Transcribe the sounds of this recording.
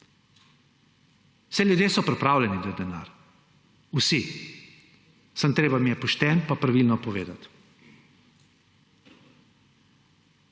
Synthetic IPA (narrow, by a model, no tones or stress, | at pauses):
wsɛljud̪jeːsɔpɾɛpɾaːwlʲɛnid̪ɔd̪ɛna̰ːɾ | usi | sant̪ɾeːbamijɛpɔʃt̪ɛnpapɾaʋilnɔpɔʋḛːd̪a̰t̪